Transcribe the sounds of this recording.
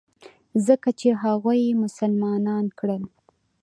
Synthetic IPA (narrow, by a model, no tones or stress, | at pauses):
zəkat͡ʃeɦaɣujmʊsalmɑnɑnkɽəl